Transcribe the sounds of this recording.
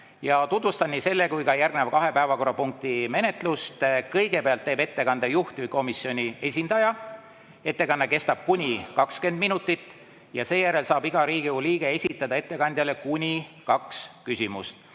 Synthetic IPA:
jɑt̪ut̪vust̪ɑnnːiːse̞lːe̞kujkɑjærɡnevkɑɦe̞pæevɑko̞rːɑpuŋk̚t̪ime̞ne̞t̪ˑlust̪kɤ̞jɡe̞peɑlt̪ːe̞ːbe̞t̪ːe̞kɑnd̪̥ejuht̪ʲvɨjko̞misjo̞nʲie̞sʲind̪ɑjɑ | e̞t̪ːe̞kɑnːɑke̞st̪ɑb̥̚kunʲikɑkske̞nd̪̚minut̪ːˑit̪ːˑ | jɑse̞ːjæɾe̞lsɑːbiɡ̥ɑɾiːɡ̥iuliːɡ̥e̞e̞sʲit̪ːˑɑd̪̥ɑe̞t̪ːe̞kɑnd̪̥ʲjɑle̞kunʲikɑkskysʲimust̪

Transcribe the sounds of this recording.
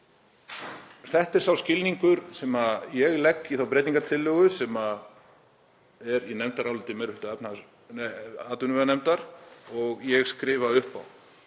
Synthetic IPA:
θɛht̪ɛɾ̥sθawscɪlniŋkʏɾsɛmajɛɣlɛkːiθawpɾeːjt̪iŋkat̪ʰɪlːœːɣʏsɛma | ɛɾinɛmt̪aɾawlɪt̪ɪmɛɾʏhɪlt̪aɛpna | aːt̪ʏnʏvɛanɛmt̪aɾ̥ɔɣjɛɣskɾɪːvaʏhpa̰w

